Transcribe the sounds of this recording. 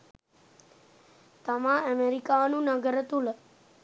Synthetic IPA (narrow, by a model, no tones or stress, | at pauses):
t̪əmãːəmeɾikaːnũːnəɡəɾət̪ul